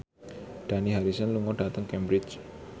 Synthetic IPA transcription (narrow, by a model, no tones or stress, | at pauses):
ɖ̥aniɦaɾisənluŋɔɖ̥at̪əŋkɛmbɾɪt͡ʃ